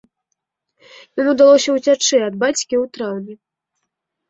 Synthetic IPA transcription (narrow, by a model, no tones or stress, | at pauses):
jɔnud̪alˠɔsʲɐwt͡sʲat͡ʂɛɐd̪̚bat͡sʲkʲiwt̪ɾawnʲɛ